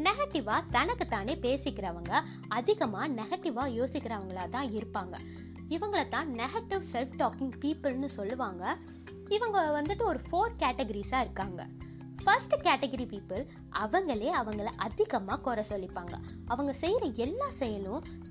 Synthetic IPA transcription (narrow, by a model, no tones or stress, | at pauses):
nɛɣɐʈɪʋaːt̪ɐnɐkːɯt̪aːneːpeːsɪkːɪɾɐːʋɐŋɡɐ | ɐðɪɣɐmaːnɛɣɐʈːɪʋaːjoːsɪkːɪɾɐːʋɐŋɡɐɭaːt̪ãːɪɾɯpːaːŋɡɐ̰ | ɪʋɐŋɡɐɭɐt̪ãːnɛɣɐʈɪʋsɛlfʈoːkɪ̃ŋɡpiːpɪlnɯsɔlːɯʋaːŋɡɐ | ɪʋɐŋɡɐʋɐnd̪ɯʈːɯɔɾɯfoːɾkaːʈɛɡɐɾisaːɪɾɯkːaːŋɡɐ̰ | fɐɾsʈkaːʈɛɡɐɾipiːpɪl | ɐʋɐŋɡɐɭeːɐʋɐŋɡɐɭʔɐðɪɣɐmaːkoːɾɐsɔlːɪpːaːŋɡɐ̰ | ɐʋɐŋɡɐsɛjɪɾɐɛlːaːsɛjːɐnʊ̃